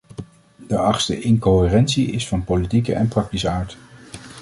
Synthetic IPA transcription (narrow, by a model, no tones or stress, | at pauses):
d̥əɑχtstə̰ʔɪŋkoɪːrɛntsiɪsfɑnpolitikə̰ʔɛnprɑk̚tisəaːɹt